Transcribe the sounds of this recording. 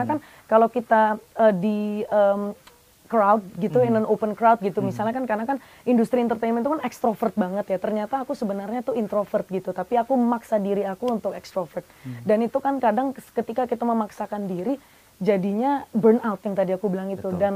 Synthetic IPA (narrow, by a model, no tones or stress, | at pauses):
akan | kalawkit̪aədiəm | kɾawt̪̚ɡit̪uɛnənopənkɾawt̪̚ɡit̪umisalɲakankarnakan | indust̪ɾiɛnt̪ərt̪ajnmɛnt̪ukanɛkst̪ɾofərt̪̚baŋət̪jat̪ərɲat̪aːkusəbənarɲat̪uint̪ɾofərt̪̚ɡit̪ut̪apiakuməmaksadiɾiakuunt̪ʊkɛkst̪ɾofərt̪̚danit̪ukankadaŋkət̪ikakit̪aməmaksakandiɾi | d͡ʒadiɲabərnawt̪jaŋt̪adiakubəlaŋit̪udan